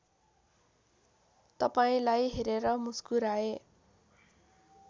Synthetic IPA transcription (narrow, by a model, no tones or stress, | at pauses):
t̪ʌpaĩlajɦeɾeɾʌmuskuɾae